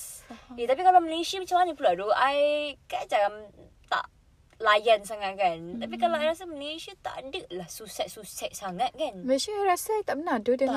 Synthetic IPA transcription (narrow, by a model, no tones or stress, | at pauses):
jat̪apikalaməlesiəmət͡ʃamanĩpladuajkad͡ʒaɡam | t̪a̰ʔ | lajans̬aŋat̪̚kant̪ap̬ikalaʔajɾas̬əməleʃiət̪a̰ʔdəʔlahsusɛt̪̚susɛt̪̚saŋãt̪̚kanmə̃ʃəaɹasəajt̪aʔpənadudə